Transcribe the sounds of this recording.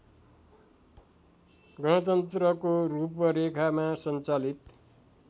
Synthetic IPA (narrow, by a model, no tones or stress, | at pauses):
ɡʌɽ̃ʌt̪ʌnt̪rʌkorupʌɾekʰamasʌnt͡salit̪